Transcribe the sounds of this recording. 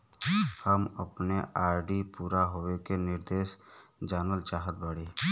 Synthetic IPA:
həməpneaːɾɖipuːɾaɦowekenɪɾd̪eːʃd͡ʒaːnəlt͡ʃaːɦət̪̚bəɽeː

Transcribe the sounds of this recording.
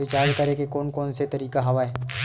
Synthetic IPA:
ɪt͡ʃaːɾkɐɾekekɔːnkɔːnset̪ɐɾiːkaɦɐʋaeː

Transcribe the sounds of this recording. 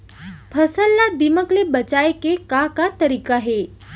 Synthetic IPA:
pʰəsəlːad̪iməklebət͡ɕajkekakat̪əɾikaɦe

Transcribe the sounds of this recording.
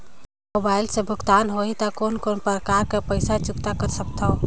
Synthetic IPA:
mobaɪlsebʱʊkt̪anɦoit̪akoːnkoːnpɾəkaɾkepəɪsat͡ʃʊkt̪akəɾsək̚t̪ao

